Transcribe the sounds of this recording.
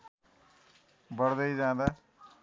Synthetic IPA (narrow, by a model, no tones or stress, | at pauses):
bʌɽd̪ʌjd͡zãd̪a